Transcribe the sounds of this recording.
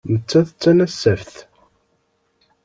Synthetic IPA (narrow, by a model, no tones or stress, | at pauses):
nət͡sːæθət͡sːænæsːæfθ